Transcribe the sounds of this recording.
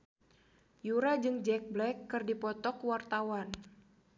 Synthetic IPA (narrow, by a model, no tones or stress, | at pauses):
juɾad͡ʒɨŋd͡ʒɛk̚blɛkːɨrdipɔt̪ɔkwart̪awan